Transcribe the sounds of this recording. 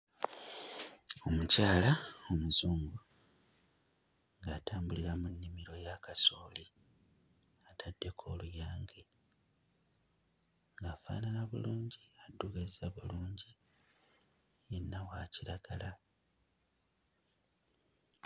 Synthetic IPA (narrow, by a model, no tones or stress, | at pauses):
o̞mucaːlao̞muzuːŋɡu | ŋɡaːtaːmbuliɾamunːimiɾo̞jakasoːli | atʰadːe̞kʰo̞ːlujaːŋɡe̞ | ŋɡaːfa̰ːnalaβṵluːɲɟiadːuɡezaβuluːɲɟi | jenːawaːciɾaɡ̥ala